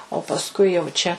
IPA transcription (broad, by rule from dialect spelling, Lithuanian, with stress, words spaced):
oː pɐsˈkʊɪ jɛʊ ˈt͡ʃʲɛ